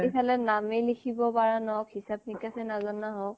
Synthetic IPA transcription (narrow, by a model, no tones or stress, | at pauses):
epʰalɛnamelikʰibɔbaɹanɔkhisap̚nikasɛnazɔnːaɦɔk̚